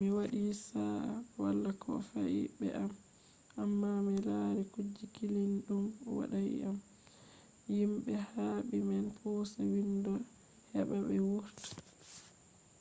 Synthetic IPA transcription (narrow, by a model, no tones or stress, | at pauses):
miwaɗisawalːakʰɔ̰faʔḭbɛ̰ʔam | ʔamːamilaɾikud͡ʒːikilinɗumwa̰ɗajḭam | jimɓɛhaːɓimɛnpʰɔsawindɔ | hɛɓaɓɛwuɾti̥